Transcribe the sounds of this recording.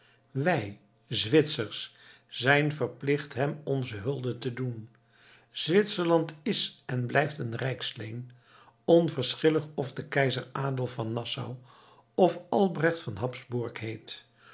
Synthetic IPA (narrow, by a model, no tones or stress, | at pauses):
ʋɛj | zʋɪtsəɹs | z̥ɛjnvəɹplɪχtɦɛmɔnzəɦɵlˠdətədun | z̥ʋɪtsəɹlɑntɪsɛnblɛjftənrɛjkslejn | ɔnvəɹsχɪləχɔvdəkɛjzəraːdəlˠvɑnːɑsa̰w | ɔfɑlˠbrɛχtfɑnɦɑpzbʊɹkɦejt